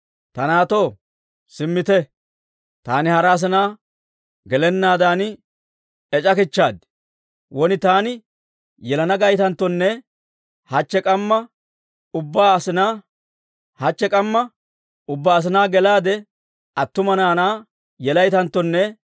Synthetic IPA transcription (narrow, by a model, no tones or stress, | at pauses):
t̪ɐnaːt̪o̞ː | sɪmːɪt̪ɛ | t̪aːnɪhɐɾaːs̬ɪnaː | ɡɛlɛnːaːd̪aːn | ɛt͡ʃʼɐkɪt͡ʃːaːd̪ | wɔnɪt̪aːnɪ | jɛlɐnɐɡɐjt̪ɐnt̪ːɔnːɛ | hɐt͡ʃːɛkʼɐmːɐ | ʊbːaːɐsɪnaː | hɐt͡ʃːɛkʼɐmːɐ | ʊbːaːs̬ɪnaːɡɛlaːd̪ɛ | ʔɐt̪ːʊmɐnaːnaː | jɛlɐjt̪ɐnt̪ːɔnːɛ